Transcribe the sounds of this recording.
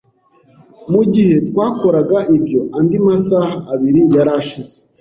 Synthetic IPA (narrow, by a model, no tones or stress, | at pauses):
muɟihe̞twaːko̞ɾaɡaʔibjo̞ʔandimasahaːβiɾijaɾaʃize